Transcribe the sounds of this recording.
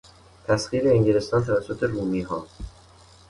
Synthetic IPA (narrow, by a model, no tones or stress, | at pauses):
t̪ʰæsɣiːɾeːŋɟelest̪ɒːnt̪ʰævæsːot̪ʰe̞ɾuːmiːɦɒː